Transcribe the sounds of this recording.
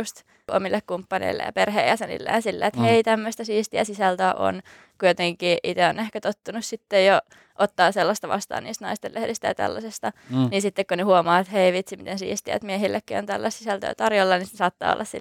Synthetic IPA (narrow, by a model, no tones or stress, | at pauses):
just̪ | ʔo̰milːekkumpːɑnḛilːḛjɑ̰perheijɑsenḭlːḛːnsilːḛːt̪heit̪æmːøst̪æsiːst̪iæsisælt̪øʔo̰n | kujot̪eŋkiːʔit̪eonehkæt̪ot̪ːunussit̪ːejjo | ʔot̪ːɑːselːɑst̪ɑʋɑ̰st̪ɑ̰ːniːst̪nɑist̪elehdist̪æjɑt̪æ̰lːɑsest̪ɑninsit̪ːekkunehuomɑːet̪heiʋit̪simḭt̪ensḭːst̪iæ̰t̪miehilːʔekːio̰nt̪ælːɑst̪sisælt̪ø̰ːt̪ɑrjolːɑnissɑːt̪ːɑ̰ːo̰lːɑssḭ